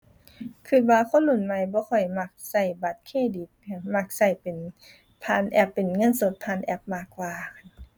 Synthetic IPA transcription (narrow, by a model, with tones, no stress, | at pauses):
kʰɯ˧˩t̪̚waː˧kʰo˧˥˨nlu˧˩nma˧˨jbɔː˧˦kʰɔ˧˩jma˧˩k̚sa˧˩jba˨˧˦t̪̚kʰeː˧˥˨di˨˦pma˧˩k̚sa˧˩jpe˨n | pʰaː˧˥˨nʔɛ˧˩pːe˨nŋɤ˧˥˨nso˧˦t̪̚pʰaː˧˨nʔɛ˧˥p̚maː˧˩kːwaː˧kʰa˧n